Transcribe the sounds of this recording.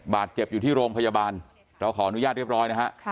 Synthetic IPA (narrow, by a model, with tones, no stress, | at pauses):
baː˨˩t̪̚t͡ɕe˨˩p̚juː˨˩iː˥˩ɾoː˧mpʰa˧jaː˧baː˧n | ɾa˧wkʰɔː˩˦ʔa˧nu˦ja˥˩t̪̚ɾi˥˩p̚ɾɔː˦˥jna˦˥kʰa˦˥ʔ